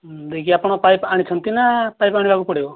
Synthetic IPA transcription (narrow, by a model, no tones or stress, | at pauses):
d̪ekiapɽ̃ɔpajpaɽ̃it͡ʃʰʌnt̪inapajpaɽ̃ibakupɔɽeo